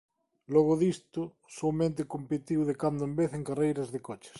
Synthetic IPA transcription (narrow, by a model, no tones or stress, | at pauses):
lɔɣ̞ʊðist̪ʊ | somẽnt̪̬ɪkompet̪iwðekand̪ʊembeθeŋkarejɾɐzðekɔt͡ʃɪ̥s